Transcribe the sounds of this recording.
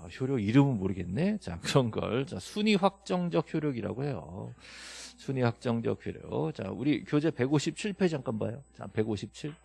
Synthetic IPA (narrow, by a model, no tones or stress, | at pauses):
açjoɾjʌɡiɾɯmɯnmoɾɯɡe̞nːe̞t͡ɕa̰kɯɾʌnɡʌ̰ɭt͡ɕasʰuɲiɸwak̚t͡ɕ͈ʌŋd͡ʑʌk̚çjoɾjʌɡiɾa̰ɡohe̞jo̰ | sʰuɲiwak̚t͡ɕ͈ʌŋd͡ʑʌ̰k̚çjoɾjʌ̰ɡt͡ɕa̰uɾikjod͡ʑe̞pe̞ɡoɕʰip̚t͡ɕʰiɭpʰe̞d͡ʑaŋk͈anbajot͡ɕa̰pe̞ɡoɕʰip̚t͡ɕʰiɭ